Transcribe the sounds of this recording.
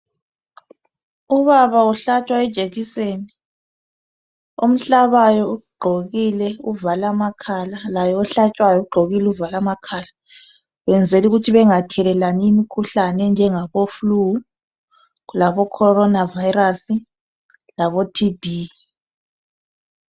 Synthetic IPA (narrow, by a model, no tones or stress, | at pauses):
uβaβauɬat͡ʃʼwaɛd̥ʒ̥ʼʱeɣiseːni | om̩ɬaβajɔuɡ͡ǃʱoɣilɛuvalamakʰalalajɔɔɬat͡ʃʼwajɔuɡ͡ǃʱoɣilɛuvalamakʰaːla | βɛnd͡zʱeluɣutʰiβɛŋatʰɛlɛlaniimikʰuɬanɛnd͡ʒʱɛŋaβoflu | ɣlaβɔkʰɔɾɔnavajɾasi | laβotʰibʱi